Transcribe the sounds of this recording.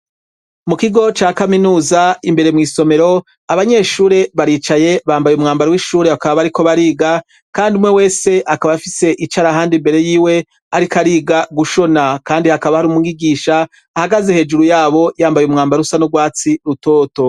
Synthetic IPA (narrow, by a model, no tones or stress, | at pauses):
mukiɡo̞t͡ʃaːkaminuːzaimbe̞ɾemŋiːso̞me̞ɾo̞ | aβaɲe̞ːʃuːɾe̞βaɾiːt͡ʃaje̞βaːmbajeumŋaːmbaɾewiʃuːɾe̞akaβaβaɾiko̞βaɾiːɡa | kaːndiumŋe̞we̞ːse̞ʔakaβafise̞ʔit͡ʃaɾaɦaːndimbe̞ɾe̞jiːwe̞ | aɾikaɾiːɡaɡuʃo̞nakaːndihakaβahaɾumuɡiɡiːʃaː | haɡazehe̞ːd͡ʒuɾujaːβo̞jaːmbajumŋaːmbaɾusanoɡwaːt͡siɾuto̞ːto̞